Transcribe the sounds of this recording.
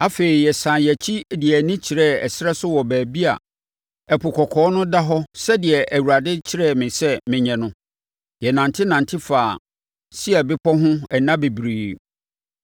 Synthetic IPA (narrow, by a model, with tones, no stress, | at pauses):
a˦fe˨ɾi˨jɛ˨sã˨jɛ˨t͡ɕʰi˦˨dɪ˨ɛ˨nĩ˦t͡ɕʰɪ˨ɾɛ˦ɛ˨sɪ˦ɛ˦sʊ˦wɔ˨bæː˨bi˦a̰˨ | ɛ˨pʰʊ˨kʰɔ˨kʰɔː˨˦nʊ̃˦da˦ɦɔ˦sɛ˦dɪ˨ɛ˨ʔæ˨wu˨ɾa˨dɪ˦t͡ɕʰɪ˦ɾɛ˦˨mɪ̃˨sɛ˦mɪ̃˨ɲɛ̃˨nʊ̃˦ | jɛ˨nã˨ntʰɪ˦nã˨ntʰɪ˦faː˨ | sɪ˦ɛ˨bɪ˦pʰɔ˦ɦʊ̃˦ɛ˨nã˦be˨bɾiː˨